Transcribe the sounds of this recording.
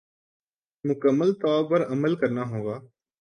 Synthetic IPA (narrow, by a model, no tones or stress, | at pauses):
mʊkəmːəlt̪ɔːpəɾəməlkəɾnaːɦõːɡaː